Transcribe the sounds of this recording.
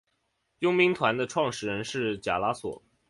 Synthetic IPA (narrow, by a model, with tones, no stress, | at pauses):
jʊ˥ŋmi˧˥ŋt̪ʰwa˧˥nd̪ə˧ʈ͡ʂʰwɑ˥˧ŋʂɻ̩˥˩ɻə˧˥nʂɻ̩˥˩t͡ɕja̰˨˩la˧˥swɔ̰˨˩˦